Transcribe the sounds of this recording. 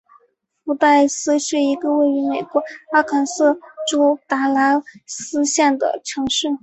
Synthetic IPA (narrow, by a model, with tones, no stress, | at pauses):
fu˧˥t̪a˥˩ɪsɹ̩˥ɕɛ˥˩i˧˥ɡə˧we˥˩ɪy˧˥me˨˩ɪkwɔ˧˥a˥kʰa˧˨˩nsɤ˥˩ʈ͡ʂo˥ʊt̪a˧˥la˧˥sɹ̩˥ɕjɛ˥˩nd̪ə̰˩ʈ͡ʂʰɤ˧˥ŋʂɻ̩˥˩